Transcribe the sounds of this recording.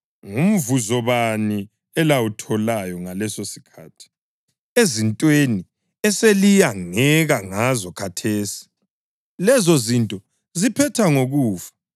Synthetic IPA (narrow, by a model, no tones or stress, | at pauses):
ŋum̩vuzɔβani | ɛlawutʰɔlajɔŋalɛsosi̥kʰaːtʰi̥ | ezintʼweni | ɛselijaŋɛɣaŋazɔkʰatʰeːsi̥ | lɛzɔzintʼɔ | zipʰɛtʰaŋoɣuːfḁ